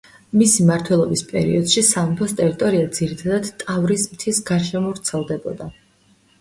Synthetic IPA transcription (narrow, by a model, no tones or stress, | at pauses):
misimaɾt̪ʰwɛlˠɔbispʼɛ̰ɾḭɔd̪̥ʃisampʰɔst̪ʼɛɾit̪ʼɔɾiad̪z̥iɾit̪ʰad̪ad̪̥t̪ʼavɾismt̪ʰisɡaɾʃɛmɔvɾt̪sʰɛlˠd̪ɛbɔd̪a